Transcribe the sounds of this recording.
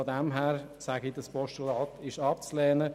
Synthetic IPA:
ɔdɛmɦæːɾ | sæɡidəspɔʃtɔlɑːtʰɪʃɑpt͡slɛːnə

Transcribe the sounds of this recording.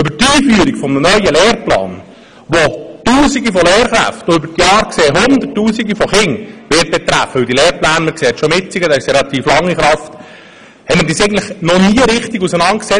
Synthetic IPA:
ʏbəɾtiːfyːɾikfɔmnənœʏəlɛːɾplɑ̰ːn | ʋotuːsiɡifɔlɛːɾχɾæ̰ftʏbəɾtjɑːɾkseːɦʊnd̪ətːuːsiɡifɔχɪŋʋɪːt̚b̥ɛt̪ɾæ̰fəɵld̪ileːɾplæːnməɾkseːt̪ʃomɪt͡siɡəd̪ɑɪʃɾɛlɑt̪iːflɑŋːiχɾɑft̪ | hɛtmədisɛɪɡntləχnɔniːəɾɪχt̪iɡusənɑnt̚ksɛ

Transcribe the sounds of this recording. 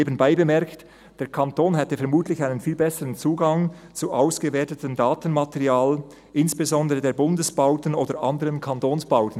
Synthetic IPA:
eːbənbaɪbəmɛʁkt | d̥eːɐkʰantoːnɦɛtəfɛɐmuːtlɪçaɪnənfiːlbɛsəʁənt͡suːɡɑŋt͡suʔaʊsɡ̥əveːɐtətəndaːtən̩matɛʁiaːl | ʔɪnsb̥ezɔndəʁədeːɐbʊndəsb̥aʊtənoːdəɾʔɑndəʁənkʰɑntoːnsb̥aʊtən̩

